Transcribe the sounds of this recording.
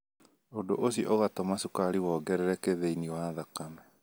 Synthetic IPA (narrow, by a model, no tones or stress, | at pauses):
odoʔosiɔʔoɣatɔmasukaɾiwɔːɡɛɾɛɾɛkeðeiniɔwaðakamɛ